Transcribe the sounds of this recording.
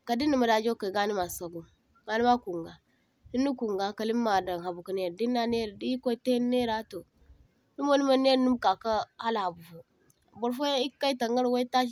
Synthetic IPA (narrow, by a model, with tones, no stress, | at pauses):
ka˨di˦nːi˨ma˨da˨d͡ʒo˦ka˨ɡa˦ni˦ma˨sa˨ɡu˦˨ | ɡa˨ni˦ma˦ku˨ŋɡa˨ | di˦nːi˦ku˨ŋɡa˨ka˨li˦mː˦a˨da˨ŋha˨bu˨ka˨ne˦˨ɾdi˦nːa˦ne˦ɾdi˦ko˦te˦nːe˦ɾa˦to˨ | nu˦m˦o˦ni˦ma˦ne˦ɾnu˦mka˨ka˦ha˦la˨ha˨bu˨fo˨ | bo˨ɾfo˦ja˦i˦kːa˦i˦ta˨ŋɡa˦ɾwo˦i˦ta˦ʃ̬